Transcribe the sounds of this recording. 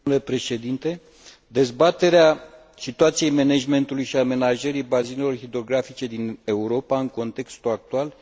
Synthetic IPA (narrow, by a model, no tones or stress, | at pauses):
le̞pɾe̞ʃe̞d̪int̪e̞ | d̪e̞zbat̪e̞ɾea | sit̪uat̪sijejmened͡ʒme̞nt̪ulujʃiame̞naʒeɾijbazinelo̞rxid̪ɾo̞ɡɾafit͡ʃe̞d̪ine̞uɾo̞paɨŋko̞nt̪e̞kst̪uak̚t̪ual